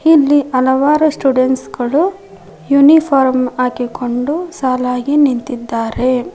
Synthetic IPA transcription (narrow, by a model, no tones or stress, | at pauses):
ilːiʔɐlɐʋaːɾusʈuːɖeɳʈsɡɐɭu | junipʰaːɾmaːkikʰo̞ɳɖusaːlaːɡinint̪id̪ːaːɾe̞